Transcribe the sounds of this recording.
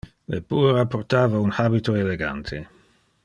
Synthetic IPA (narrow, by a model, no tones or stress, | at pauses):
lḛbuːɾapːort̪aːvaunhabit̪oeleɡa̰nt̪ʰe